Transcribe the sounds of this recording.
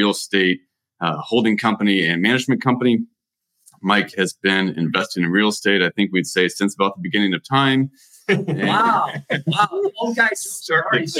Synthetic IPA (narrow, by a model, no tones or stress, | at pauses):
il̩ˠsteɪt̚ | hoʊlˠdɪ̃ŋkʰʌ̃mpɨniɨ̃nmænɨd͡ʒmɨ̃nkʰʌ̃mpɨni | maɪkhɨzbɪ̃nɪ̰̃ɱvɛstɨ̃ŋɨ̃ɹil̩ˠsteɪɾaɪθɪ̃ŋkwid̥seɪsɪ̃nsəbaʊt̪̚ðəbɨɡɪ̃ñɪ̃ŋʌv̥tʰãɪ̃m | ɨ̃a | aʊoʊɡaɪz̥